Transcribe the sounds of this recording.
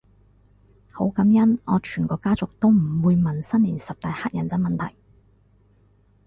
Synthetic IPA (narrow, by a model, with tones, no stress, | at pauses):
ho˨˥wkɐ˨˥mjɐ˥nɔː˨˧t͡ʃʰyː˨˩nkɔː˧kaː˥t͡sʊ˨k̚t̪o˥wm̩˨˩wuː˨˧jmɐ˨nsɐ˥nliː˨˩nsɐ˨p̚t̪aː˨˧jhaː˥t̚jɐ˨˩nt͡sɐ˧˥mɐ˨nt̪ʰɐ̰˨˩j